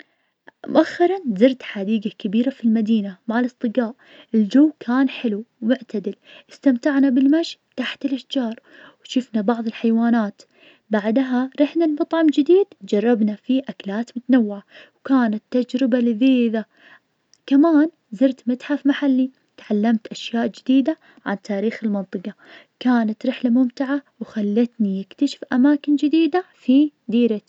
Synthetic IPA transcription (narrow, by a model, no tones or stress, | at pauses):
mʊ̰ʔaxːɪɾˤɑnzɪɾt̪ħad̪iːɡakabiːɾafilmad̪iːnamaʕalɨsˤt̪ˤɨɡaːʔ | ʔɪld͡ʒawːkʰaːnħɪlumʊʕt̪ad̪ɪlʔɪst̪amt̪aʕnabɪlmaʃt̪aħt̪ɪlʔaʃd͡ʒɑːɾˤ | wʃɪfnabɑʕðˤɨlħajwaːnaːt̪ | baʕd̪ɦaɾˤɪħnalmɑt̪ˤʕɑmd͡ʒɪd̪iːd̪d͡ʒɑrˤːɑbnafiʔaklaːt̪mʊt̪anawːɪʕawkaːnat̪ːad͡ʒɾɪbalɪðiːða | kamaːn | zɪɾt̪mat̪ħafmaħalːi | t̪ʕalːamt̪ʔaʃjaːʔd͡ʒɪd̪iːd̪a | ʕa̰nt̪ʰaːɾiːxɪlmɑnt̪ˤɨqɑ | kaːnat̪ɾɪħlamʊmt̪ɪʕawxalːat̪nijɪkt̪aʃɪ̥fʔamaːkɪnd͡ʒɪd̪iːd̪afid̪iːɾat̪